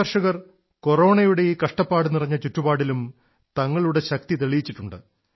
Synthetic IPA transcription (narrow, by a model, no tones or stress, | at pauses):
ɐrʂɐɣɐr | ko̞ro̞ːɳɐjuɽe̞jikɐʂʈɐpːaːɽɨnirɐɲːɐt͡ɕutːubaːɽilum | t̪ɐŋːɐɭuɽe̞ɕɐk̚t̪it̪eɭijit͡ɕːiʈːuɳɖɨ